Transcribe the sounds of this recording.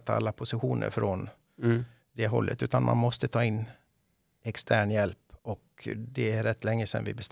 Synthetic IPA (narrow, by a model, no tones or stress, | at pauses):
t̪ʰːaa̰lːapʰʊsɪɧuːnʔə̰ɾfɾon | d̪ɛɦɔ̰lːʔə̰t̪ʉ̟ːt̪anmʔa̰nmɔst̪ət̪ʰɑːɪnː | ɛkst̪ʰæːɳjɛlpɔkd̪ɛæɾɛt̪ːlɛŋːəsɛ̰nvɪ̰bɛst̪